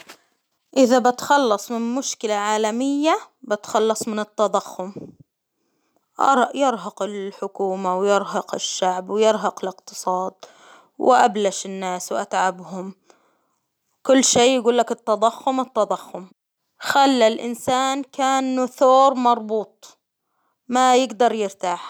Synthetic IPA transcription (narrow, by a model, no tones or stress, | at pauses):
ʔɪðabɪt̪xɑlːɑsˤmɪnmʊʃkɪlaʕaːlamɪjːa | bɪt̪xɑlːɑsˤmɪnɪt̪ːɑd̪ˤɑxːʊm | ʔɑ̰ɾˤʔjɪɾˤɦɑqɪlħʊkuːmawjɪɾɦɑqɪʃːaʕbwjɪɾɦɑqɪlɪqt̪ɨ̥sˤɑːd̪̚ | wʔa̰blaʃɪnːaːswʔat̪ʕabhʊm | kʊlːʃeːjɪɡuːlːakɪt̪ːɑd̪ˤɑxːʊmɪt̪ːɑd̪ˤɑxːʊm | xalːalʔɪ̰nsaːnkaːnːʊθoːɾˤmɑɾˤbuːt̪̚ˤ | majɪɡd̪ɑɾˤjɪɾt̪aːħ